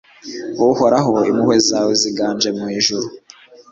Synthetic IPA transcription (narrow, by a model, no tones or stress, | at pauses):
wohoɾaɦo̞imuhwezaweziɡaːnd͡ʒemuhiʒuɾu